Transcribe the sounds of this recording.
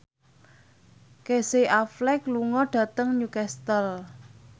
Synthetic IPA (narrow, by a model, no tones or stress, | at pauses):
keseʔaflɛkluŋɔɖ̥ä̤t̪əŋɲukɛst̪əl